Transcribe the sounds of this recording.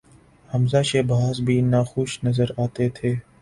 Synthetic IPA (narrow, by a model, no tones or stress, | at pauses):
həmzaːʃeːbʱaːzbʱiːnaːxʊːʃnəzəɾaːt̪eːt̪ʰeː